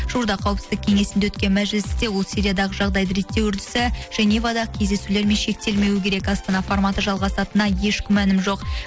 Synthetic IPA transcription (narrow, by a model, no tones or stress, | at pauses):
ʒ̥uɾd̪ɑqʰɑwəpsɪzd̪ɪk̚ʲʰe̞ŋe̞sɪnd̪ewɵt̪kʲe̞nmæʒɪlɪsd̪e̞wo̞lˠsiɾijad̪ɑʁəʒɑʁd̪ɑjd̪əɾe̞t̪ːe̞wʏɾd̪ɪ̥sɪʒ̥enivɑd̪ɑkʲʰe̞zd̪e̞sule̞ɾme̞nʃe̞k̚t̪e̞lme̞wɪkʲʰe̞ɾe̞kɑst̪ɑnɑformɑt̪əʒɑlˠʁɑsɑt̪ənɑje̞ʃkʲɪmːænɪmʒo̞q